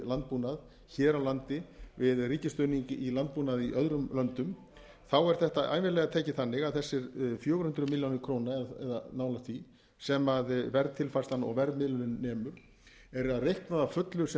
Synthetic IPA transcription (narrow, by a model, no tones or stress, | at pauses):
lant̪̚puːnað | çɛːɾawlant̪ɪvɪðriːcɪst̪œniɲcɪʔilant̪̚puːnaðiʔœðɾʏmlœnt̪ʏm | θawɛɾ̥θɛht̪aʔa̰ːjnvɪlɛɣat̪ʰeːcɪθanːɪɣaðθɛsːɪɾfjoːwɾhʏnt̪ɾʏmiljawnɪkʰɾownaɛðɛ̰ðanaːwlast̪ʰvi | sɛmaðvɛɾðt̪ʰɪlfast̪anɔ̰ɣvɛɾðmɪlʏnɪnːɛːmʏɾ̥ | ɛɾaðrejhknaðafœt̪lʏsɛ